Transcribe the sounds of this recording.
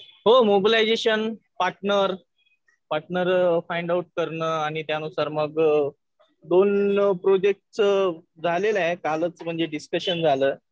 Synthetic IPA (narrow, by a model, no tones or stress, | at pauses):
ɦomobilajd͡zeɕən | paɾʈnəɾ | paɾʈnəɾfajɳɖauʈ̚kəɾɳəːaɽ̃it̪janusaɾməɡ | d̪onpɾod͡ʑek̚ʈt͡sd͡zʱalelaekalət͡sm̤əɳd͡zeɖiskəɕənd͡zʱaləː